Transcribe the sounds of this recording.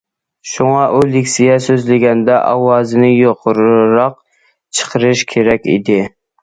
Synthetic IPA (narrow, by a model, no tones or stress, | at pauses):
ʃuŋɑʔulɪkʲsijɛsøzlɪɡʲɛnd̪ɛʔɑwɑːzɨnɪjoqʰʊɾɾɑq̚ | t͡ʃʰə̥qʰəɾɨʃkʲʰeɾɛkʲḭd̪ɪ